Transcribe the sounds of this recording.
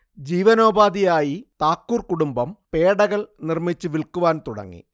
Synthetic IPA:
d͡ʑiːʋɐno̞ːbaːd̪ijaːjit̪aːkːuːrkuɽumbɐmpeːɽɐɣɐɭnirmit͡ɕːɨʋiɭkuʋaːnt̪uɽɐ̰ŋːḭ

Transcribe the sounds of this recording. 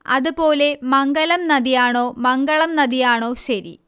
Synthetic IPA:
ɐ̰ðupo̞ːle̞mɐŋɡɐlɐmnɐðijaːɳo̞ːmɐŋɡɐɭɐmnɐðijaːɳo̞ːɕɐɾḭ

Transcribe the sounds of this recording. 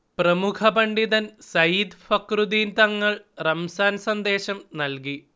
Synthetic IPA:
prɐmukʰɐpɐɳɖiðɐnsɐjiːd̪fɐkrud̪iːnt̪ɐŋːɐɭ | rɐmsaːnsɐnd̪e̞ːɕɐmnɐlki

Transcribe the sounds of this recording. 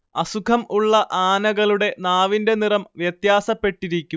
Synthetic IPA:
ɐsukʰɐmuɭːɐʔaːnɐɣɐɭuɽe̞naːʋinde̞nirɐmʋjɐt̪jaːsɐpːe̞ʈːiɾikʲːu

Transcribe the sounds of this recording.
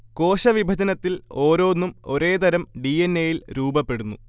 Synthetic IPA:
ko̞ːɕɐʋibʱɐd͡ʑɐnɐt̪ːilo̞ːɾo̞ːnːumo̞̰ɾe̞ːt̪ɐɾɐmɖienːejilɾuːbɐpːe̞ɽunːu

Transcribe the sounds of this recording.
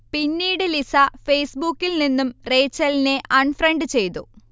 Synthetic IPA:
pinːiːɽelisɐfejsbukːilninːumre̞ːt͡ɕːɐlineʔɐɳfɾɐɳɖɨt͡ɕe̞jt̪u

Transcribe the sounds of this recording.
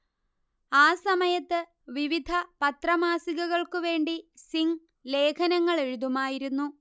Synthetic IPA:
aːsɐmɐjɐt̪ːɨ | ʋiʋid̪ʱɐpɐt̪rɐmaːsiɣɐɣɐɭkuʋe̞ːɳɖisiŋ | le̞ːkʰɐnɐŋːɐɭe̞ɻuðumaːjiɾunːu

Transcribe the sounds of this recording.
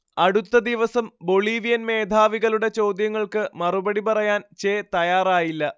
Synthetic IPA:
ɐɽut̪ːɐd̪iʋɐsɐmbo̞ɭiːʋijɐnme̞ːd̪ʱaːʋiɣɐluɽe̞t͡ɕo̞ːd̪jɐŋːɐɭkɨmɐrubɐɽipɐrɐjaːnt͡ɕe̞ːt̪ɐjaːraːjilːɐ

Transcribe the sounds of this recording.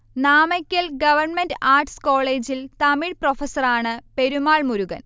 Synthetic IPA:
naːmɐkʲːɐlɡɐʋɐrɳmendaːrʈsko̞ːɭe̞ːd͡ʑilt̪ɐmiɭprofɐsɐraːɳɨpe̞ɾumaːɭmuɾuɣɐ̰n

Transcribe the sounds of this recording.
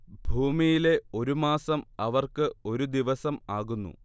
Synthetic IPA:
bʱuːmijile̞o̞ɾumaːsɐmɐʋɐrkɨo̞ɾud̪iʋɐsɐmaːɣunːṵ

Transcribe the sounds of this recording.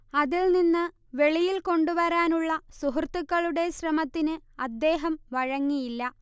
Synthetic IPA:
ɐðilninːɨ | ʋe̞ɭijilko̞ɳɖupɐɾaːnuɭːɐsuɦurt̪ːukːɐɭuɽe̞ɕrɐmɐt̪ːinɨɐd̪ːe̞ːɦɐmʋɐɻɐŋːijilːɐ

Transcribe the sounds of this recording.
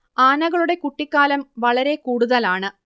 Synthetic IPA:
aːnɐɣɐɭuɽe̞kuʈːikːaːlɐmʋɐɭɐɾe̞kuːɽuðɐlaːɳɨ

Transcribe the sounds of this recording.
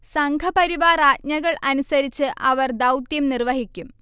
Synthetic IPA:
sɐŋɡʰʱɐpɐɾiʋaːraːt̪̚ɲɐɣɐɭʔɐnusɐɾit͡ɕːɨʔɐʋɐrd̪ɐwt̪jɐmnirʋɐɦikʲːum

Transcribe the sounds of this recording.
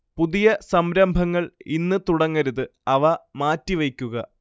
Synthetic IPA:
puðijɐsɐmɾɐmbʱɐŋːɐɭinːɨt̪uɽɐŋːɐɾuðɨɐʋɐmaːtːiʋɐjkʲːuɣɐ

